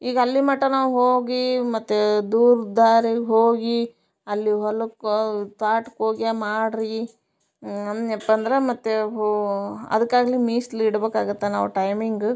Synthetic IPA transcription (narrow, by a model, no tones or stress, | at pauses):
iːɡɐɐlːimɐʈːɐnaːʋɦoːɡimɐt̪ːed̪uːɾd̪aːɾiɡɦoːɡi | ɐlːiɦɔlɐkt̪aːʈkoːɡijamaːɽɾi | ɐnɛpːɐnd̪ɐɾemɐt̪ːe | ɐ̰d̪ɐkːaːɡɐlimiːsliːɽbeːkaːɡut̪ːena̰ːʋuʈɐjmiŋɡ